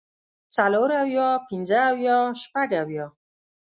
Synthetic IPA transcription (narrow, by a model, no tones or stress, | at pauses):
t͡saloɾawjɔpʰind͡ʒaːwjɔʃpaɡawjɔ